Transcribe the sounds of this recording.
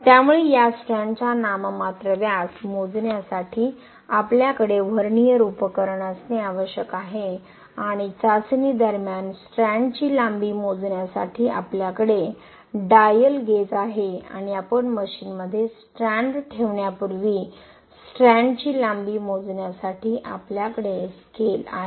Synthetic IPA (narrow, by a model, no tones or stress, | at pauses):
t̪jamuɭejasʈɾãɳɖt͡ɕanammat̪ɾəʋjasmod͡znjasaʈʰiː | apljakəɽeʋ̤ʱəɾɳijəɾupəkəɾɳasneaʋəɕjəkaɦe | aɽ̃it͡sat͡sniːd̪əɾmjansʈɾæ̃ɳɖt͡ɕiːlambiːmod͡zɳjasa̰ʈʰiːʔa̰pljakəɽe | ɖajəlɡet͡saɦea̰ɽ̃iapəɳməɕiːnməd̪ʱːjesʈɾãɳɖʈʰeʋɳjapuɾʋiː | sʈɾæ̃ɳɖt͡ɕiːlambimod͡znjasaʈʰiːʔapljakəɽeskela̰ɦe